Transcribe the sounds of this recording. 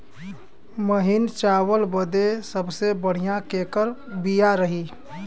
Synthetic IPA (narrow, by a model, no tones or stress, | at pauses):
məɦɪnt͡ʃaːwəlbəd̪esəbsebəɽ̤ijakeːkəɾbijaɾəɦiː